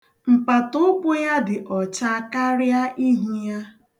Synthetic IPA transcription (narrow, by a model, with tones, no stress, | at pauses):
m̩˨pa˨tʊ˦k͡pʷʊ˦ja˦dɪ˨ʔɔ˨t͡ʃa˦ka˦ɾja˦ʔi˦ɦi˦ja˦